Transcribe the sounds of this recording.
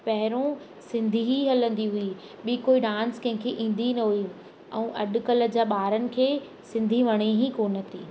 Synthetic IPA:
pɐɦɪɾõ | sɪ̃nd̪ʱiɦiɦɐlə̃nd̪iɦʊi | ɓiːkoːiɗãːnskɐ̃ɦɪ̃kʰeʔĩːn̆d̪inɐɦui | ɛ̰̃ũːʔɐɗʊ̆kɐləd͡ʑaːɓaːɾənɪ̆kʰeː | sɪ̃nd̪ʱiʋɐɽ̃iɦikoːnət̪iː

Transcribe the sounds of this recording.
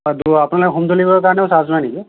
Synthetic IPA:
duapunalokɛɦumd̪olibɔɔkaɹnɛʊ̃sazɔnajniki

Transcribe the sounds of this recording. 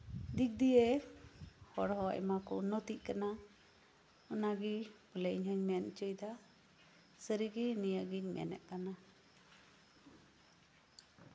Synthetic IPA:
d̪ik̚d̪ije | hɔɽɦɔa̰jmakɔnɔt̪iʔ̚kana | ɔnaɡipəleʔɲɦəɲnɛnt͡ʃəjd̪a | səɾiɡinijəɡiɲmɛ̰nɛ̰ʔkana

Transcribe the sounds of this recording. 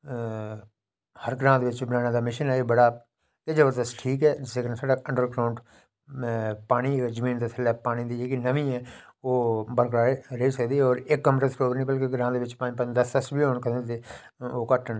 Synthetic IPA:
həɾɡɾãːt̪ʋɪt͡ʃbɪnaːnãːd̪aːmɪʃənɦɛːebəɽaː | ked͡ʒəbəɾd̪əsʈʰiːkɦɛːd͡ʒɪseːkənsəɽaə̃ɳɖəɾɡɾaːʊ̃ɳɖ | paːñizəmĩːnd̪asʰɪlapaːñid̪id͡ʒeːkinəʋĩɛ̃ːoːbəɾkɾaːeɾəisəkd̪iːɛɔːɾekːəmʈəsɾoːbɾnĩːbəlkeɡɾãːd̪ʋɪt͡ʃpaːnĩpəd̪əsəsbʱiːoːnkənət̪eː | oːkəʈːən

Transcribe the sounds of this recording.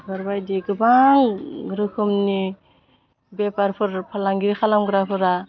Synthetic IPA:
ɡɯɾbajdiɡɯbaŋɾɯkʰɯmni | bepaɾpʰɯɾpʰalaŋɡiɾikʰalamɡɯɾapʰɯɾa

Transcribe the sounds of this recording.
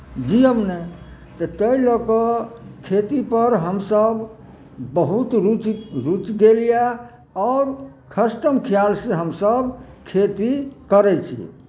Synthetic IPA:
d͡ʒiəmne | t̪ət̪əiləkɔkʰet̪ipəɾɦəmsəb | bəɦut̪ɾut͡ʃɾut͡ʃɡelija | ɔʊɾ | kʰəsʈəmkʰijalsẽɦəmsəbkʰet̪ikəɾɛt͡ʃʰḭ

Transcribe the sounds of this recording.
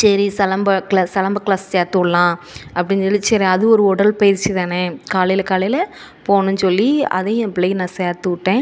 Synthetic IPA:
sɐɾisɐlɐmbɐklaːsɐlɐmbɐkɭaːsseːɾt̪ɯkɯɭɐlãː | ʔɐpːɐɽɪnsɔɭːisɐɾɐðɯɔɾɯɔɽɐlpɐjɪɾt͡ʃːiðaːnekaːlɐjɪlɐkaːlɐjɪlɐ | poːnɯ̃nsɔlːiɐ̰ðẽːɛ̃pɭɐjnãːseːɾt̪ɯɪʈːẽː

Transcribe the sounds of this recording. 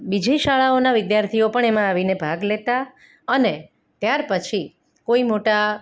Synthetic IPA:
bid͡ʒʱiʃaɭaonaʋɪd̪jaɾt̪ʰiopəɳemãaʋinebʱaɡlet̪a | əne | t̪jaɾpət͡ʃʰi | koimoʈa

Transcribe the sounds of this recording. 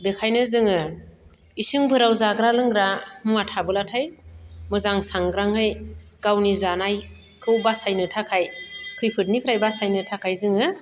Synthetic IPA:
bekʰajnɯzɯŋɯ | isɯŋbɯɾawzaɡɾalɯŋɡɾamuŋatʰabɯlatʰajmɯzaŋsaŋɡɾaŋhɯjɡ̥awnizanaj | kʰɯwbasajnɯtʰakʰajkʰɯjpʰɯt̚nikʰɯɾajbasajnɯtʰakʰajzɯŋɯ

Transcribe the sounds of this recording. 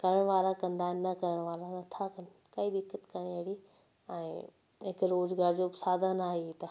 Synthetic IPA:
kɐɾəɽ̃ʋaːlakɐ̃nd̪aːɦɪnɪnɐkɐɾəɽ̃ʋaːlanɐt̪ʰakɐnɪ̆ | kɐid̪ɪkːət̪kɐnieɽi | ɛ̃ː | ɦɪkɾoːzɡaːɾd͡ʑoːbɪsaːd̪ʱanaːɦet̪ɐ

